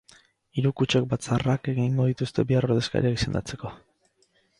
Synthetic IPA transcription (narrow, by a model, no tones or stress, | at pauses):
iɾukut͡ʃe̞k̚bat͡sarake̞ɣiŋɡo̞ðit̪ust̪e̞̰βiaroɾðe̞ska̰ɾiaki̥se̞nd̪at͡se̞̥ko̞